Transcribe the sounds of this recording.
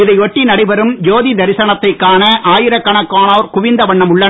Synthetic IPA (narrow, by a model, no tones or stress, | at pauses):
ɪðɐɪɔʈːinɐɽɐɪpɐɾɯmjoːðid̪ɐɾɪsɐɳɐt̪ːɐɪkːaːnɐʔaːjɪɾɐkːɐɳɐkːaːnoːɾkʊʋɪnd̪ɐʋɐɳːɐmʊɭːɐ